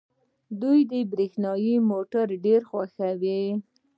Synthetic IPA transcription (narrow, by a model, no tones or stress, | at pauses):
d̪ujd̪əbɾixnɑjimoʈaɾɖeɾxwaxawi